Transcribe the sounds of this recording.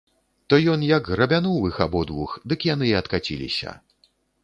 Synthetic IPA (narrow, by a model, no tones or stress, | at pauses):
t̪ɔjɔnjɐɡɣrɐbʲanɔwɨxabɔd̪vuxd̪ɨkjan̪ɨɐt̪kat͡sʲḭlʲḭsʲɐ̰